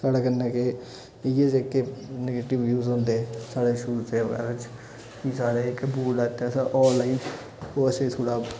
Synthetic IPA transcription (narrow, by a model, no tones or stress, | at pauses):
kəɽkənːãːke | ɪed͡ʒɪkːeneɡeːʈɪʋjuːzõːnd̪eɛ̃saːɽeːʃʊɾuːseːʋə̰ɡɛ̰ːɾat͡ʃ | kisaːɽeːɪkbuːlaːt̪ːãsʔɔːnlaːint͡ʃ | oːəsẽːt̪ʰoːɽaː